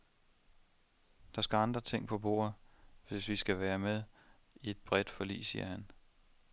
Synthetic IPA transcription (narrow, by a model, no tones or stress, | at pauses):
d̥ɑ̈sɡ̥æɑ̈nd̥ʁɐt͡sʰe̝ŋ̰pʰɒ̽b̥o̝̰ːɐðʋe̝sʋisɡ̥æʋæːɐmeð̞ˠ | ie̝d̥̚b̥ʁɛd̥fɒ̽lḭːsiːɐhæn